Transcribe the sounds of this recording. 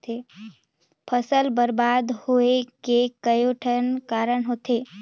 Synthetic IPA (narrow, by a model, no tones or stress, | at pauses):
t̪e | pʰəsəlbəɾbad̪hoekekəjoʈʰənkaɾəɳɦot̪e